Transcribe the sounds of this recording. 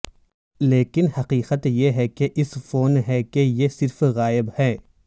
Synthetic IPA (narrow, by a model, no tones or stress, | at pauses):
leːkɪnhɐqiːqət̪jeɦɛkeʔɪsfoːnɦɛkejesɪɾfɣaːɪbhɛː